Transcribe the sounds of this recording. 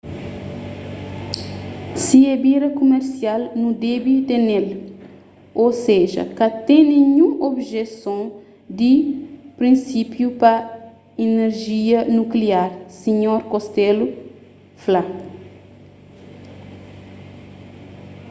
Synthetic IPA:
siɛbiɾɐkumeɾsialnud̪ɛbit̪enel | oseʒɐ̰kɐt̪ẽnẽɲũobʒesõ | d̪ipɾĩnsipjupɐ | ineɾʒiɐnukliaɾsiɲoɾkost̪elu | fla

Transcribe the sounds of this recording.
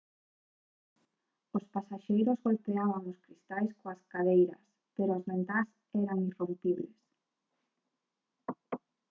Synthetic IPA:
ospasaʃejɾozɣolpeaβaŋoskɾist̪ajskoaskaðejɾɐ̰s | peɾoazβẽnt̪as | ɛɾaŋirumpiβles

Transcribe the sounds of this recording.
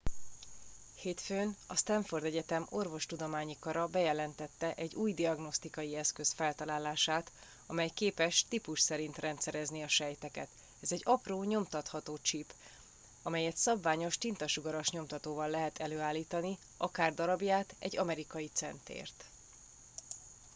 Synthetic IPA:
heːt̪føːnɒst̪ɛɱford̪ɛɟɛt̪ɛmo̞rvo̞ʃt̪ud̪o̞maːɲikɒɾɒbɛjɛlɛnt̪ɛt̪ːɛʔɛɟuːjd̪iɒɡno̞st̪ikɒjiɛskø̞sfɛlt̪ɒlaːlaːʃaːt̪ | ɒmɛjkeːpɛʃt̪ipuʃsɛɾint̪rɛnt̪sɛɾɛzniɒʃɛjt̪ɛkɛ̰t̪ | ɛzɛɟɒproːɲo̞mt̪ɒt̪hɒt̪oːt͡ʃip | ɒmɛjɛt̪sɒbvaːɲo̞ʃt̪int̪ɒʃuɡɒɾo̞ʃɲo̞mt̪ɒt̪oːvɒlːɛɦɛt̪ɛløːaːlːiːt̪ɒni | ɒkaːrd̪ɒɾɒbjaːt̪ɛ̰ɟɒmɛɾikɒjit̪sɛnt̪ḛːrt̪

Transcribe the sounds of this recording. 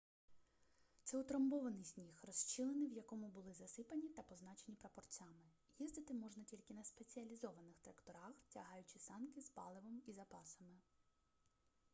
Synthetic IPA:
t̪sɛʊt̪ɾɐmbɔʋɐnɪjsʲnʲixrɔst͡ʃɪlˠenɪjwjɐkɔmʊbʊlˠɪzɐsɪpɐnʲit̪ɐpɔznɑt͡ʃe̞nʲipɾɐpɔrt͡sʲamɪ | jizd̪ɪt̪ɪmɔʒnɐtʲilʲkɪnɐspe̞t͡sʲiɐlʲizɔʋɐnɪxt̪ɾɐkt̪ɔɾɑxtʲɐ̰ɦɑjʊt͡ʃɪsɑnkɪspɑ̰lˠɪʋɐmizɐpɑsɐmɪ

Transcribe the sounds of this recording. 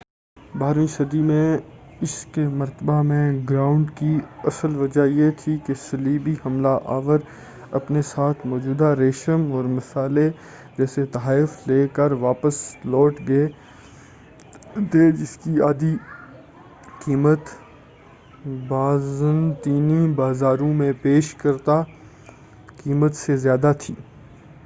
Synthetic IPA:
baːɾĩʃɐd̪imẽ | ɪskemɐɾt̪əbamẽɡɾaːʊ̃ɳɖkiɐsəlʋɐd͡ʒajet̪ʰikesɐliːbihɐmlaʔa̰ːʋəɾ | ɐpnesaːt̪ʰmɔːd͡ʒuːd̪aɾeːʃəmɔːɾmɪsaːle | d͡ʒɛːset̪ɐɦaːɪfleːkəɾʋaːpəslɔːʈɡɐe | t̪ʰed͡ʒɪskiaːd̪i | kiːmət̪ | baːzənt̪iːnibaːzaːɾõmẽpeːʃkɐɾt̪a | kiːmət̪sezjaːd̪at̪ʰḭː

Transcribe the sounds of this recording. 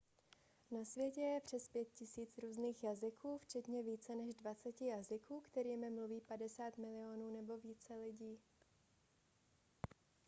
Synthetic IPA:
nasvjɛcɛjɛpr̝̥ɛspjɛt̪̚cɪsiːt͡sɾuːzniːxjazɪkʰuːft͡ʃɛt̪ɲɛviːt͡sɛnɛʒdvat͡sɛcɪjazɪkuːkt̪ɛɾiːmɪmluviːpadɛsaːt̪mɪlɪonuːnɛbo̞viːt͡sɛlɪɟiː

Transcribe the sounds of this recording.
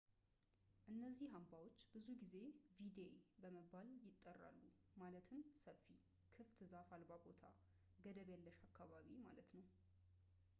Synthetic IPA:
ʔɨnːəzːihambawo̞t͡ʃːbɨzuɡize̞vid̪ebəməbːaljɪt̪ʼːərːa̰lːumalət̪ʰɨmsəfi | kʰɨft̪zafalbabo̞t̪ʰa̰ | ɡəd̪əβjalːəʃakʰːaβaβima̰lət̪nəw

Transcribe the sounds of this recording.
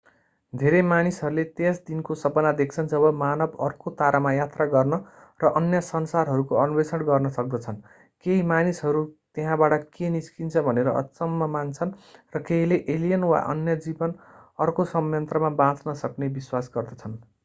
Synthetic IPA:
d̪ʱeɾemanisɦʌɾulet̪esd̪inkosʌpʌnad̪ek̚ʰt͡sʰʌnd͡zʌβʌmanʌbʌrkot̪aɾamajat̪raɡʌrnʌ | rʌʔʌnjʌsʌnsarɦʌɾukoʌnubesʌɽɡʌrnʌsʌk̚d̪ʌt͡sʰʌn | keɦimanisɦʌɾut̪eɦãbaʈʌkeniskint͡sʰʌbʱʌneɾʌ̰ʔʌ̰t͡sʌmːʌmant͡sʰʌnrʌkeɦileʔelijʌnwa̰ʔʌ̰njʌd͡zibʌnʌrkosʌmjʌnt̪rʌmabãt͡snʌsʌknebiswasɡʌrd̪ʌt͡sʰʌn

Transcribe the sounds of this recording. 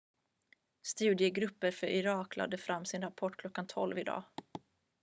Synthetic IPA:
st̪ʉ̟ːd̪ɪəɡɾɵpːəɾfœɾʔɪɾɑːkla̰d̪əfɾamːsɪnɾapʰɔʈːkʰlɔkːant̪ʰɔlvɪd̪ɑ̰ː

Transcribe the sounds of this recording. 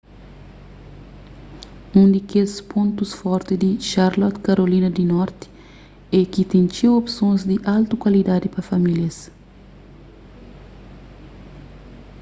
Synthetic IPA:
ũnd̪ikespõnt̪usfɔɾt̪id̪iʃaɾlɔt̪kaɾolĩnɐd̪inɔɾt̪i̥ | ɛkit̪ẽnt͡ʃewopsõnzd̪iʔalt̪ukwɐlid̪ad̪ipɐfɐmiljɐs

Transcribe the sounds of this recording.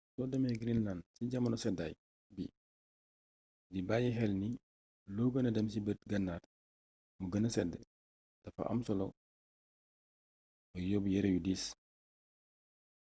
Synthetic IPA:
sɔdɐmɛɡɾinlansiɟɐmɐnɔsɛdaj | bḭ | dibaːjɛɦɛlni | lɔɡənɐdɐms̬ibətɡɐnːaːr | muɡɐnɐsɛdːɛ̰ | dɐfɐ̰ʔɐ̰msɔlɔ̰ | bɐjɔːbjɛɾɛjudiːs

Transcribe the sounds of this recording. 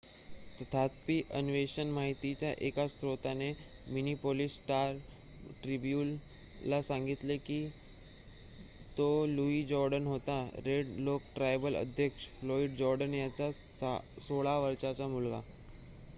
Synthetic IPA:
t̪ət̪ʰat̪̚piʔənʋeɕənmaɦit̪it͡ɕjaʔekasɾot̪ane | minipolisːʈaɾ | ʈɾibjuːn | lːasãŋɡit̪leki | t̪oluid͡ʑɔɾɖənɦot̪aɾeɖlok̚ʈɾajbələ̰d̪ʱjəkʂflɔiɖd͡ʑɔɾɖənjat͡sa | soɭaʋəɾʃat͡samulɡa̰

